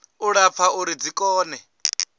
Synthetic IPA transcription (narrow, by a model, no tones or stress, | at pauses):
uɺap̪fʰauɾid͡zikʼɔːnɛ